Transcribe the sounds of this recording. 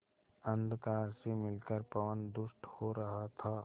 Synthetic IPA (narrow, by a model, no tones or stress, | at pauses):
ə̃nd̪kaːɾsemɪlkəɾpɐʋənd̪ʊsʈhoɾɐɦat̪ʰaː